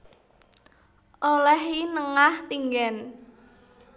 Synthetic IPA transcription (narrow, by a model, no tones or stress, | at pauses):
ʔolɛhinəŋaht̪iŋɡɛn